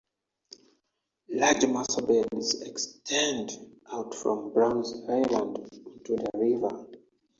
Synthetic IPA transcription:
lad͡ʒmasəbɛdizɛkstʰɛ̃ndʔawtfɹɔ̰̃mbɹãʊ̃nzajlãndĩntuðəɹivə

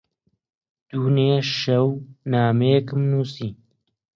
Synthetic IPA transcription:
d̪̥uːneːʃɐwnaːmejekɨmnuːsiː

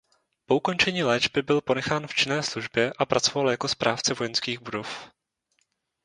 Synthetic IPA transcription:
po̞uko̞nt͡ʃɛɲiːlɛːd͡ʒbɪbɪlpo̞nɛxaːnft͡ʃɪnɛːsluʒbjɛʔapɾat͡so̞valjako̞spɾʔaːft͡sɛvo̞jɛnskiːɣbudo̞f

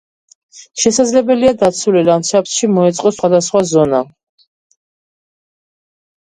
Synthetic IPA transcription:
ʃɛsad̪zlɛbɛliad̪at̪sʰulilamʃapsʃimɔɛt̪sʼqʼɔsχwad̪asχwazɔna

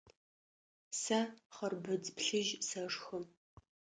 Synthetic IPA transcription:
sɐχərbɨd͡zpɬɨʒsɐʂxəm

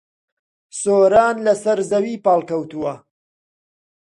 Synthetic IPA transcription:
soːɾaːnlɐsɐɾzɐwiːpɑːlˠkɐwt̪uwɐ

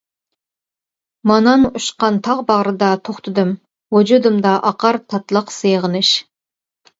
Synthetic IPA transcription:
mɑnɑnuʃqɑnt̪ʰɑʁbɑʁɾɨd̪ɑt̪ʰoχt̪ʰɨd̪ɨm | wod͡ʒud̪ɨmd̪ɑʔɑqɑɾt̪ʰɑt̪lˠəqsejʁənɨʃ

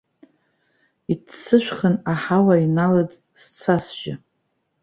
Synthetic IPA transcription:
itʰsɨʃʷᶣχənaħawainalad͡zʼ | st͡sʷʰasʒɪ

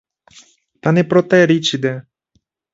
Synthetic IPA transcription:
t̪anepɾot̪eɾit͡ʃid̪e

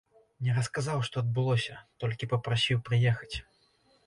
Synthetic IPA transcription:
nʲɛɾɐskazawʂt̪ɔɐd̪̚bɨlˠɔsʲɐt̪ɔlʲkʲipɐpɾasʲiwpɾɨjɛxɐ̥t͡sʲ

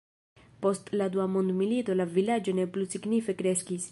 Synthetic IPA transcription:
po̞stlad̪uamond̪milito̞lavilad͡ʒo̞ne̞plusiɡnife̞kɾe̞skis

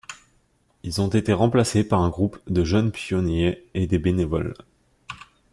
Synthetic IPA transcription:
ilzɔ̃t̪et̪eʁɑ̃plasepaʁɛ̃ɡʁupd̪əʒənpjɔnjeed̪ebenevɔ̰l

